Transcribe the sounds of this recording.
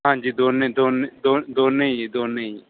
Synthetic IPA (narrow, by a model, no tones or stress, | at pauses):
ɦãːd͡ʒiːd̪oːnẽd̪oːned̪od̪oːneed̪oːneːi